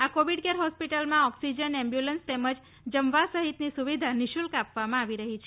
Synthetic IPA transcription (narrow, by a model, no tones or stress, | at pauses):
akoʋiɖkeɾɦɔspiʈəlmãɔksid͡ʒənɛmbjulənst̪eməd͡ʒ | d͡ʒəmʋasəɦit̪nisuʋid̪ʱaniʃulkapʋamãaʋiɾəɦit͡ʃʰe